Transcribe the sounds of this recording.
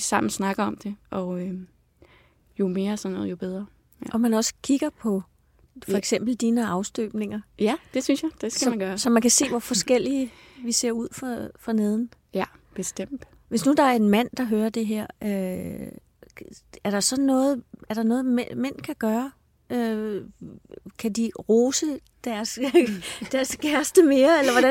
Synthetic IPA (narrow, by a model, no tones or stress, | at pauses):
sɑ̈m̰n̩snɑ̈ɡ̥ɐɒ̽md̥e̝ʔɒ̽ø | jo̝me̝ːɐsɒnːɔ̽ːð̩̰ˠjob̥eð̞ˠʁɐ | ʔɒ̽mænɒ̽sə̥kʰiɡ̥ɐpʰɒ̽ | fɒɒeɡ̥sem̰b̥l̩d̥iːnəɑ̈ʊsd̥ø̰ːb̥ne̝ŋɐjæd̥e̝synsjad̥e̝sɡsæmmænɡ̥ɶːɐsɒ̽mænkʰæse̝̰ːʋɒfɒ̽sɡ̥el̰iə | ʋise̝ɐ̰uð̞̰ˠfɑfʁɑ̈neð̞ˠn̩b̥esd̥em̰d̥ | ʋe̝snud̥ɑ̈æɐe̝nmæn̰d̥ɑ̈ɦøːɐd̥e̝ɦeɐ̰ø | æɐɾ̥ɑ̈sɒ̽nnːɔ̽ːð̞̩ˠæɐɾ̥ɑ̈nɔ̽ːð̩ˠmemen̰kʰæɡ̥ɶːɐ | ø | kʰæd̥iʁoːsə | d̥æɐs | d̥æɐskʰæɐsd̥əme̝ːɐelɐʋɒæ